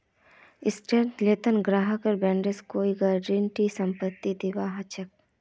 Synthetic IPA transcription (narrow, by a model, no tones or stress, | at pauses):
ɪsʈeɾʈleːt̪ənɡɾaːɦəkəɾbɛ̃ːɳɖeskoːiɡaːɖiɳʈisɐ̃mpət̪ːid̪iʋaːɦɐt͡ʃək̚